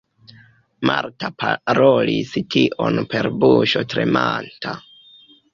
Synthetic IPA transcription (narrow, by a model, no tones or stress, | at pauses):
maɾtapʰaɾolistʰiʔo̞npe̞ɾbuʃo̞tɾe̞mantʰa